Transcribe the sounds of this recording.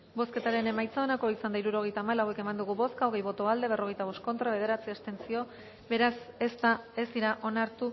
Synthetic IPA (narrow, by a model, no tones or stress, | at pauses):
bo̞ske̞t̪aɾe̞ne̞majt͡saonako̞isand̪aiɾuɾo̞ɣ̞e̞jt̪aːmalawe̞ke̞mand̪uɣ̞uβo̞skaoɣ̞ejβo̞t̪oald̪e̞β̞e̞ro̞ɣe̞jt̪aβ̞o̞sko̞nt̪ɾaβe̞ð̞e̞ɾat͡siest̪e̞nt͡sio̞ | be̞ɾasest̪aesd̪iɾaʔo̞naɾt̪u